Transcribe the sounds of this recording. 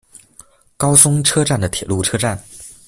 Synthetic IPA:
kɑ˥ʊsʊ˥ŋʈ͡ʂʰɤ˥ʈ͡ʂa˥˩nd̪ə˩t̪ʰjɛ˨˩lu˥˩ʈ͡ʂʰɤ˥ʈ͡ʂa˥˩n

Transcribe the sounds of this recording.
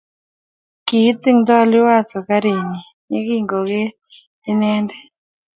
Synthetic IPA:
ki˨˦t̪ːɪ˦ŋd̪ɔ˦lɪ˦wa˦sɔ˨ka˦ɾi˨ɲi˨ | ɲe˦ɡi˦ŋɡo˨ɡeː˦ | nɛ˦ndɛ˦˨

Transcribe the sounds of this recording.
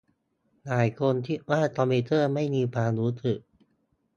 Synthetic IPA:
naː˨˩jkʰo˧nt̪ʰi˦˥˩waː˥˩t̪ɔː˧miː˧t̪ɤː˥˩ma˥˩jmiː˧pʰaː˧ɾuː˦˥t̪ɯ˨˩k̚

